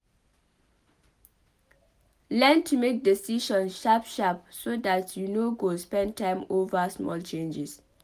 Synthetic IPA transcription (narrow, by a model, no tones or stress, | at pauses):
lɛ̃ntʰumek̚desiʃɔ̃nʃapʃapsodatʰjunoɡospɛ̃ndtʰãɪ̃movasmɔ̰lt͡ʃẽnd͡ʒis